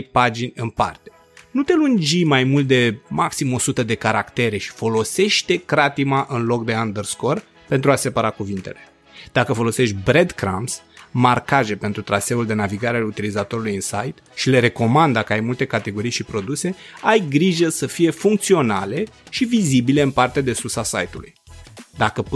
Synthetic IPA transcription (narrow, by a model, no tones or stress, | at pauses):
jpad͡ʒinʲɨnpa̰rt̪e̞̥ | nut̪e̞lund͡ʒijmajmult̪̚d̪e̞maksimo̞sut̪əd̪e̞kaɾakt̪e̞ɾe̞ʃi̥fo̞lo̞se̞ʃt̪e̞kɾat̪imaʔɨnlo̞kd̪e̞and̪ərsko̞r | pe̞nt̪ɾuase̞paɾakuvint̪e̞le̞̥ | d̪̥akəfo̞lo̞se̞ʃt̪̚ʲbɾe̞d̪kɾa̰msmarkaʒe̞pe̞nt̪ɾut̪ɾase̞uld̪e̞naviɡaɾealut̪ilizat̪o̞ɾulujɨnsajt̪ʃile̞ɾe̞ko̞mand̪əkəajmult̪e̞kat̪e̞ɡo̞ɾijʃipɾo̞d̪use̞ajɡɾiʒəsəfije̞fuŋk̚t̪sio̞nale̞ʃivizibile̞ɨmpart̪ead̪e̞susasajt̪ulujd̪akə